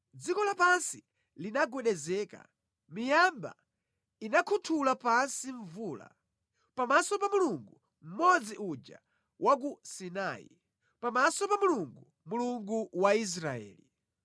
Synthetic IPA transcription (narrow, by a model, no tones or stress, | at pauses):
d͡zikɔlapansi | linaɡwɛɗɛzɛka̰ | mijamba̰ | inakʰutʰulapansiɱvuːla̰ | pamasɔpamuluŋɡu | m̩mɔd͡ziʔud͡ʒa̰ | wʔak̬usina̰ːḭ | pamasɔpamuluŋɡu | muluŋɡuwais̬ɾaɛ̰ːli